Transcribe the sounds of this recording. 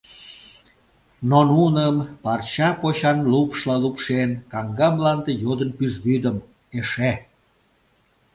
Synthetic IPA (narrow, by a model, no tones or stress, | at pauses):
nonunəmpɑrt͡ɕɑpoɕɑnlupʃlɑlupʃenkɑŋɡɑmlɑnd̪ejod̪ənpyʒβyd̪əm | eʃe